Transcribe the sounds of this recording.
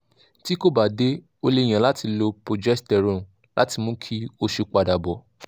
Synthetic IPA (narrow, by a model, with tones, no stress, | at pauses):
ti˦ko˦ba˨de˦ | o˧le˧˨j̃ã˨la˨˦ti˧lo˧po˨d͡ʒɛ˦stɛ˨ɾõ˨ | la̰˨˦ti˧mũ˨˦kʰi˦o˦ʃe˧k͡pa˧˨da˨bɔ˨